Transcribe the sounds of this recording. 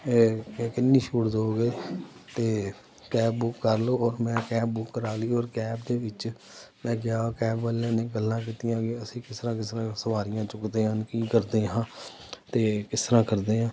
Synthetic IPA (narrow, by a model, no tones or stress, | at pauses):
kɪnːĩːʃuːʈd̪oːɡeːt̪eː | kɛːbːʊkːəɾloːɔːɾmɛ̃ːkɛːbbʊkːəɾaːleɔːɾkɛːbd̪eːʋɪt͡ʃ | mɛ̃ːɡɪjaːkɛːbʋəljãːnẽːɡəlːãːk̬iːt̪ijãːɡeəsĩːkɪst̪əɾãːkɪst̪əɾãːsəʋaːɾɪjãːt͡ʃʊkd̪eːɦənkiːkəɾd̪eːɦãː | t̪eːkɪst̪əɾãːkəɾd̪eːãː